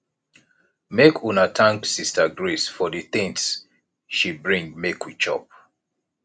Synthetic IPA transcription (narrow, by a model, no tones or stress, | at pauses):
mekʰunatʰãŋksistaɡɹisfɔdiθĩŋs | ʃibɹĩŋmekʰwit͡ʃɔ̰p̚